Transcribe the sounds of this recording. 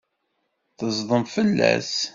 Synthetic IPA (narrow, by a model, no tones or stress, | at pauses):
θəzˤðˤəmfəlːæ̰s